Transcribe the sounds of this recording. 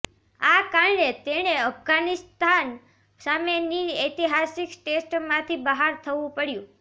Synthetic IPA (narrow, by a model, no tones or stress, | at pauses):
akaɾɳet̪eɽ̃eəfɡanist̪ʰan | sameniet̪iɦasikʈesʈmãt̪ʰibəɦaɾt̪ʰəʋũpəɽjũ